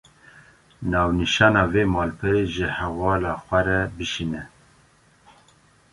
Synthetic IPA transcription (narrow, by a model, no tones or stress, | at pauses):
nɑːwniʃɑːnɑːveːmɑːlpʰɨɾeʒɪhɛvɑːlɑːxʷɛɾɛbɨʃinɛ